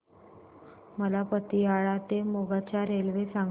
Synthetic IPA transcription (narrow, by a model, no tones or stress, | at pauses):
məlapət̪iaɭat̪emoɡat͡ɕaɾelʋesaŋ